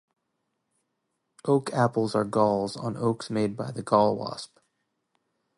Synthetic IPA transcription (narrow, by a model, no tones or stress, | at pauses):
ʔoʊkʰæpl̩ˠzə˞ɡɔlˠzn̩oʊksmeɪd̚baɪðɨɡɔlˠwɑ̰sp